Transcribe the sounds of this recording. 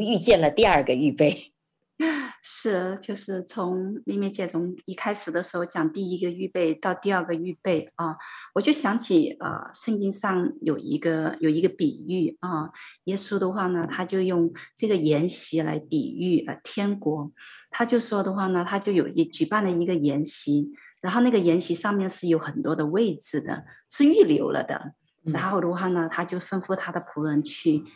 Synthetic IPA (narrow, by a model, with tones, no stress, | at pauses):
y˥˧t͡ɕjɛ˥˩nlə˩t̪i˥˧ɐ˥˧ɡə˩y˥˧pe˥˩ɪ | ʂɻ̩˥˩t͡ɕjo˥˧ʊʂɻ̩˥˩t͡sʰʊ˧˥ŋli˥˩mjɛ˥˩nt͡ɕjɛ˥˩t͡sʰʊ˧˥ŋi˥˩kʰa˥ɪʂɻ̩˨˩d̪ə˦ʂɻ̩˧˥xo˧ʊt͡ɕjɑ˨˩ŋt̪i˥˩i˧˥ɡə˧y˥˧pe˥˧ɪt̪ɑ˥˧ʊt̪i˥˧ɐ˞˥˧ɡə˩y˥˧pe˥˩ɪɐ˥˧wɔ˨˩t͡ɕjo˥˩ʊɕjɑ˧˥ŋt͡ɕʰi˨˩ə̰˧˩ʂə˥˧ŋt͡ɕi˥ŋʂɑ˥˩ŋjo̰˨˩ʊḭ˧˥ɡə˧jo˨˩ʊi˧˥ɡə˧pi˨˩y˥˩ə˥˧jɛ˥su˥d̪ə˧xwa˥˩nə˩t̪ʰa˥t͡ɕjo˥˧ʊjʊ˥˧ŋʈ͡ʂɤ˥˩ɡə˩jɛ˧˥nɕi˧˥la̰˧˥ɪpḭ˨˩y˥˩ə̰˧˩t̪ʰjɛ˥nkwɔ˧˥t̪ʰa˥t͡ɕjo˥˩ʊʂwɔ˥d̪ə˨xwa˥˩nə˩t̪ʰa˥t͡ɕjo˥˩ʊjo˨˩ʊi˧˥t͡ɕy˨˩pa˥˩nlə˩i˧˥ɡə˧jɛ˧˥nɕi˧˥ɻa˧˥nxo˥˧ʊna˥˩ɡə˩jɛ˧˥nɕi˧˥ʂɑ˥˧ŋmjɛ˥˧nʂɻ̩˥˩jo˧˥ʊxə˨˩nt̪wɔ˥d̪ə˧we˥˩ɪʈ͡ʂɻ̩˨˩d̪ə̰˩ʂɻ̩˥˧y˥˩ljo˧˥ʊlə̰˧d̪ə̰˩ | ɻa˧˥nxo˥˩ʊd̪ə˧xwa˥˩nə˩t̪ʰa˥t͡ɕjo˥˩ʊfə˥nfu˥˩t̪ʰa˥d̪ə˨pʰu˧˥ɻə˧˥nt͡ɕʰy˥˩